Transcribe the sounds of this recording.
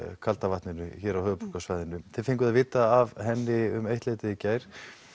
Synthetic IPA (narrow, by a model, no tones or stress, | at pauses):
kʰalt̪avaht̪nɪnʏçɛːɾawhœːʏpu̥kasvaːjðɪnʏθɪfejŋkʏðaðvɪːt̪aːvɦɛnːɪʏmejht̪leːjt̪ɪðɪcaːjɾ̥